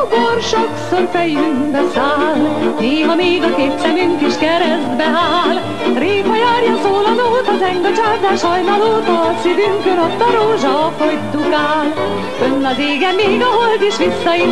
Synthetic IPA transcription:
korʃoksorfɛjːyŋbɛsaːlneːɦɒmeːɡɒkeːpsɛmyŋkiʃkɛɾɛzd̪bɛaːl | reːpɒjaːrjɒnsoːlɒnoːt̪ɒt̪ɛŋɡɒt͡ʃard̪aːʃhɒjnɑloːt̪ɒsid̪yŋkønot̪ːɒɾoːʒɒfojt̪ːukaːl | ønːɒzeːɡɛmːeːɡɒɦold̪iʃʋisːɒi

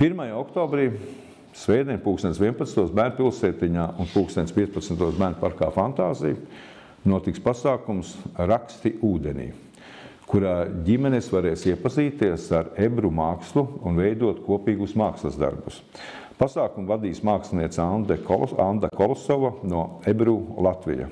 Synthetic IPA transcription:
piɾmajaɔkt̪ɔːbɾiː | sʋɛjd̪ɛɲʲpuːkst̪ɛnʲt̪sʋiɛnpat̪nt̪uɔsbæːɾnpilˠsɛːt̪iɲaːʔunpuːkst̪enʲt̪spʲiɛtspat̪snt̪uɔsbæːɾnpaɾka̰ːfant̪aːzij | nuɔt̪ikspasaːkumsɾakst̪iʔuːd̪enʲḭː | kuɾaːɟʲimɛnesʋaɾɛːsiɛpaziːt̪iɛsaɾebɾumaːkslˠuːnvɛjd̪uɔt̪kuɔpiːɡusmaːkslˠɐzd̪a̰ɾbus | pasaːkumvad̪iːsmaːkslniɛt̪sand̪ɛkand̪akɔlˠsɔʋanuɔebɾuːlˠat̪ʋḭja̰

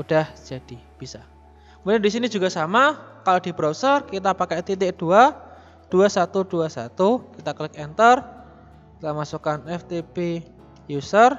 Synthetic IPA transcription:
ud̥ahd͡ʒ̥ad̥ib̥isa | kmud̪andisinid͡ʒuɡasamakaloʔdibɾawsərkit̪apakɛt̪it̪ɪkd̥ua | d̥uasat̪ud̥uasat̪ukit̪aklɪkɛnt̪ər | kit̪amasukanɛft̪epe | jusər

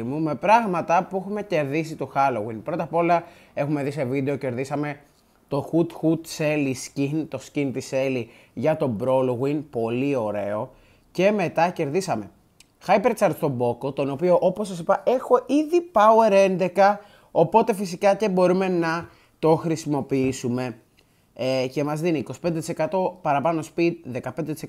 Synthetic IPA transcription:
mume̞pɾɐɣmɐt̪ɐpuexume̞ce̞ɾðisit̪oxɐloɣwinpɾo̞t̪ɐpo̞lɐ | e̞xume̞ðise̞vid̪e̞o̞ce̞ɾðisɐme̞ | t̪o̞xut̪xut̪seliscint̪o̞scint̪ise̞li | ʝɐt̪o̞bɾo̞loɣwinpo̞lio̞ɾe̞o̞ | ce̞me̞t̪ɐce̞ɾðisɐme̞ | xɐjpeɾt͡sɐɾt̪st̪o̞bo̞kot̪o̞no̞pio̞ʔo̞posːɐsipɐe̞xo̞ʔiðipɐue̞ɾe̞nd̪e̞kɐ | o̞po̞t̪e̞fisikɐcebo̞ɾume̞nɐ | t̪o̞xɾisimo̞piisume̞ | ce̞mɐzðiniːkosi̥pend̪t̪i̥se̞kɐt̪o̞pɐɾɐpɐno̞spit̪̚ðe̞kɐpend̪et̪ise

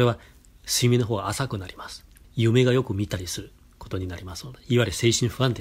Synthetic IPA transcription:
ɾe̞β̞a | siimʲino̞ɦoːɡaːsakɯ̟naɾʲimasɨ̥ | jɯ̟me̞ɡajo̞kɯ̟mʲit̪aɾʲisɨɾɯ̟ | ko̞t̪o̞ɲ̟inaɾʲimasɨ̥od̪eiβaɾise̞ːɕĩɰ̃ɸɯ̟ãnt̪e

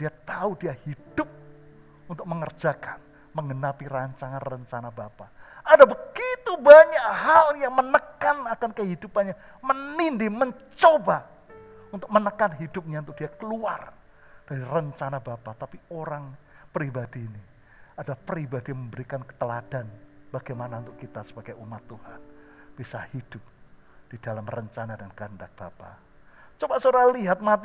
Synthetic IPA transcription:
d̥iat̪audiahid̥ʊp̚ | unt̪ʊk̚məŋərd͡ʒakan | məŋənapiraɲt͡ʃaŋanrəɲt͡ʃanabapaʔadabəɡ̥it̪ubaɲakhaljaŋmənəkanakankəɦidupanɲa | mənindiməɲt͡ʃoba | unt̪ʊk̚mənəkanɦidʊp̚ɲaunt̪ʊk̚d̥iakəluar | d̥aɾirəɲt͡ʃanabapat̪apioɾaŋpəɾibadiːni | adapəɾibadiaməmbəɾikankə̥t̪əlad̥anb̥aɡajmanaunt̪ʊkit̪asə̥baɡajumat̪ːuhanb̥isahid̥ʊp̚ | d̥idalamrəɲt͡ʃanadankəəndak̚b̥apa̰ | t͡ʃobasoɾaliɦat̪̚mat̪i

